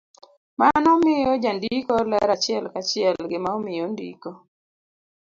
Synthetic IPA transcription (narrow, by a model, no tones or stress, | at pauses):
manɔmɪjɔd͡ʒandikɔlɛɾat͡ʃɪɛlkat͡ʃɪɛlɡɪmaɔmɪjɔndḭkɔ